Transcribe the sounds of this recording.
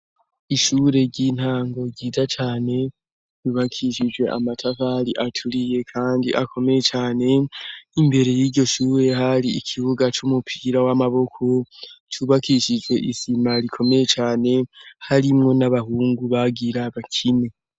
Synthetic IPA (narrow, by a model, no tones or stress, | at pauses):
iʃuːɾe̞ɾɟin̥haːŋɡo̞ɟiːzat͡ʃaːne̞ | juβakʰiʃid͡ʒwe̞ʔa̰matʰafaɾiʔatʰuɾije̞kʰaːndḭʔakʰo̞me̞je̞t͡ʃaːne̞imbe̞ɾe̞jiːɾɟo̞ʃuːɾe̞haɾiikʰiβuɡat͡ʃumupʰiɾawamaβo̞kʰo̞t͡ʃuːβakiʃid͡ʒwe̞ʔisimaɾikʰo̞me̞je̞t͡ʃaːne̞haɾimŋo̞naβahuːŋɡuβaɡiɾaβakʰine